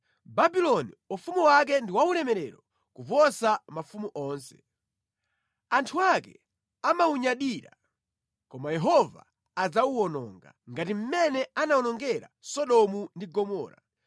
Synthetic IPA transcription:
babilɔnḭufumuwak̬ɛndiwaulɛmɛɾɛɾɔ | kuvɔsamafumuʔɔːnsɛ̰̥ | antʰuakɛ̰ | amauɲaɗiɾa̰ | kɔmajɛɦɔva̰ː | d͡zawuwɔnɔ̰ŋɡa̰ŋɡatim̩mɛnɛanaɔnɔŋɡɛɾa̰sɔɗɔmundiɡɔmɔ̰ːɾa

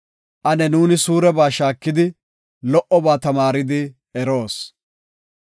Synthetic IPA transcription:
ʔɐnɛnuːnɪsuːɾɛbaːʃaːkːɪd̪ɪ | lɔʔɔbaːt̪ɐmaːɾɪd̪ɪ | ɛɾo̞ːs

